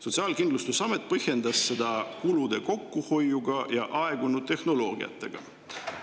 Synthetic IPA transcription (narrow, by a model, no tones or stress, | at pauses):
so̞t̪siɑːlkind̪lust̪usɑme̞t̪̚ːˑpɤhje̞nd̪̥ɑsːe̞d̪ɑkulud̪̥e̞ko̞kːuho̞juɡɑjɑʔɑe̞ɡunut̪e̞hno̞lo̞ːɡ̥ḭɑ̰t̪ːˑe̞̰ɡ̥ɑ̰